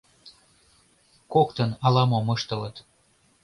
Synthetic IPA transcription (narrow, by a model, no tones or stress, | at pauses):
kokt̪ənɑlɑmomɤʃt̪ə̆lət̪